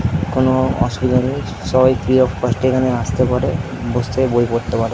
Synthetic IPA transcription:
konoɔ̰ʃubid̪ʱonej | ʃɔbajfʰɾiɔfkɔsʈekaneast̪epaɾe | bost̪ebojpoɾt̪epaɾe

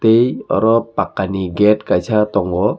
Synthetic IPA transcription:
tejɔ̰ɾɔpakːaniɡet̚kajsʰatɔŋɡɔ

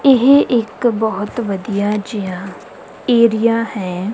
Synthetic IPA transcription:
ɪɦʔeːkbɐɦʊt̪ʋɐd̪ijad͡ʒija | eːɾijahɛ̃ː

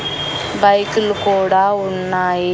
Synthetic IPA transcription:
bɐjkulukuːɽaːunːaːji

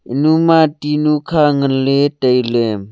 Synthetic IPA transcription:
ʔinumatinukʰaŋənletəjlɛm

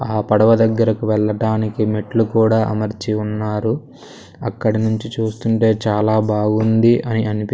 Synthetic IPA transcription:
aːpɐɽɐʋɐd̪ɐɡːɐɾɐkuʋɛɭːɐʈaːnikimeʈlukuːɽaːʔɐmɐɾt͡ʃiunːaːɾu | ɐkːɐɽinuɲt͡ʃit͡ʃuːst̪uɳʈe̞ːt͡ʃaːlaːbʱaːɡund̪iʔɐniɐnipi

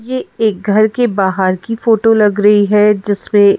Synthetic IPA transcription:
jeeːk̚ɡʱɐɾkebaːɦəɾkifoːʈolɐɡɾɐɦiɦɛd͡ʒɪsmẽ

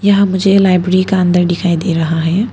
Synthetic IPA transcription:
jəɦãmud͡ʒelajbɾɾikaənd̪əɾɖikʰajd̪eɾəɦaɦɛ

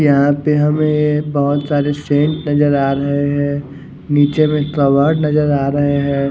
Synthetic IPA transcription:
jɐɦãpeɦɐmẽjebɐɦʊt̪saːɾesẽːɳʈnɐd͡ʒəɾaːɾɐɦeɦɛ̃ː | niːt͡ʃemẽt̪ɾɔːʋəɾɖnɐzəɾaːɾɐɦeɦɛ̃ː

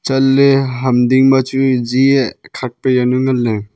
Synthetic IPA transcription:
t͡ʃɐlːeɦɐmdiŋmat͡ʃud͡ʒiekʰak̚pejanuŋɐlːe

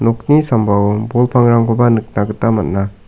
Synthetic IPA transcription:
nɔk̚nisambawbɔlpʰaŋɾaŋɡɔbanɯk̚naɡɯtamat̚na

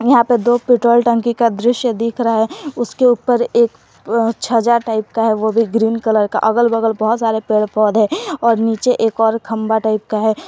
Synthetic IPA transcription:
jɐɦãpəd̪oːpɪʈɾoːlʈə̃ŋkikad̪ɾɪʃjəd̪iːkʰɾaaɦɛʊskeuːpəɾeːk | t͡ʃʰəd͡ʒaʈaːɪpkaɦɛʋobʱiɡɾiːnkələɾka̰ʔɐɡəlbəɡəlbɔɦʊt̪saːɾepeːɽpɔːd̪ɦɛ̃ːɔːɾniːt͡ʃeʔeːkɔːɾkʰɐmbaʈaːɪp̚kaɦɛː

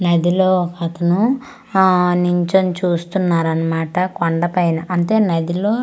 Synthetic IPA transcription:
nɐd̪ʱiloːkɐt̪ɐnu | niɲt͡ʃɐmt͡ʃuːst̪unːaːɾɐnːɐmaːʈɐkoɳɖɐpɐjnɐʔɐnt̪e̞ːnɐd̪ʱiloː

